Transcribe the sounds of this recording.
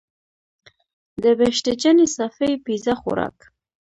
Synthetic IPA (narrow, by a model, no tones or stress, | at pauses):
d̪əbeʃʈ̪ed͡ʒənesafejpizaxʊ̰ɾɑ̰k